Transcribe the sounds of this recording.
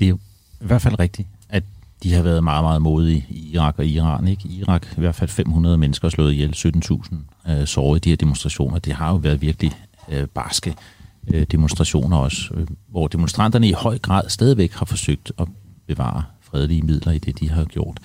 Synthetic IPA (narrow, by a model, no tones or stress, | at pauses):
d̥e̝ | iʋæɐd̥fæl̰ʁɛɡ̥̚d̥i̥ʔæd̥ihɑ̈ʋæːɐðˠmɑ̈ːð̩ˠmɑ̈ːð̩ˠmo̝ːð̩ˠiiʁɑ̈ɡ̥ɒ̽iʁɑ̰̈ːneɡ̥iʁɑ̈ɡ̥iʋæɐd̥fælfem̰hunʁɐð̞ˠmenəsɡ̥ɐslɔ̰̽ːð̩ˠjelsød̥n̩t͡sʰṵːsn̩sɒːid̥iheɐd̥e̝monsd̥ʁɑ̈ɕo̝̰ːnɐd̥ehɑ̈jo̝ʋæːɐð̞ˠʋiɐɡ̥lib̥ɑsɡ̥ə | d̥e̝monsd̥ʁɑ̈ɕo̝̰ːnɐɒ̽sʋɒd̥e̝monsd̥ʁɑ̈n̰d̥ɐnəihɒ̽ɪ̰ɡ̥ʁɑ̰̈ːð̰ˠsd̥ɛːð̞ˠiʋeɡ̥hɑ̈fɒ̽søɡ̥̚d̥ɒ̽b̥e̝ʋɑ̰̈ːɐfʁɛð̞ˠliəmið̞̰ˠlɐid̥e̝d̥iɦɑ̈ɡ̥jo̝ɐ̰d̥